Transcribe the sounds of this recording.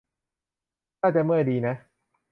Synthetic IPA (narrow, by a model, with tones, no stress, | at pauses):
t̪aː˥˩t͡ɕa˧˩mɯ˥˩əjdiː˧na˦˥